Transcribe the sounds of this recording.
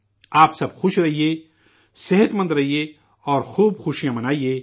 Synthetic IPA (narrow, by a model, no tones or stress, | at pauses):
aːpsɐbxʊʃɾɐɦieː | sɪɦət̪mɐ̃nd̪ɾɐɦijeː | ɔːɾxuːbxʊʃijãmɐnaːijeː